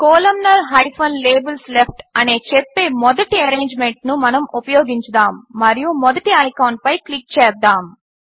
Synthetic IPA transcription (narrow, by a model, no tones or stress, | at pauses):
koːlɐmnɐɾɦɐjpʰɐnleːbɐlslep̚ʰʈɐneːt͡ʃepːeːmɔd̪ɐʈiɐɾeːɲd͡ʒmeɳʈ̚numɐnɐmupɐjɔːɡiɲt͡ʃɐd̪aːmːɐɾijumɔd̪ɐʈiɐjkɐwɳʈ̚pɐjklik̚t͡ʃɛːd̪ːaːm